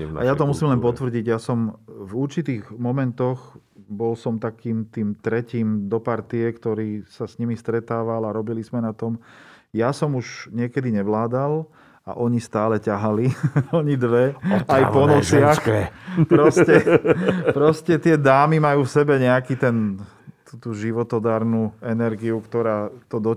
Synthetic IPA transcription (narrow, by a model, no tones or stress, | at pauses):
najat̪ɔmusiːmlɛnpɔt̪ʋr̩ɟiɟjasɔmvuɾt͡ʃit̪iːɣmɔmɛnt̪ɔx | bɔlsɔmt̪akiːmt̪iːmt̪ɾɛciːmd̪ɔpaɾt̪iɛkt̪ɔɾiːsasɲimist̪ɾɛt̪aːʋalaɾɔbilizmɛnat̪ɔm | jasɔmuʒɲɪɛkɛd̪iɲɛʋlaːd̪al | a̰ʔɔɲist̪aːlɛcaɦaliɔɲid̪ʋɛajpɔnɔsɪaxpɾɔscɛ | pɾɔscɛt̪ɪɛd̪aːmimajuːfsɛbɛɲɛakit̪ɛn | t̪ut̪uːʒiʋɔt̪ɔd̪aːɾnuːɛnɛɾɡiukt̪ɔɾaːt̪ɔd̪ɔ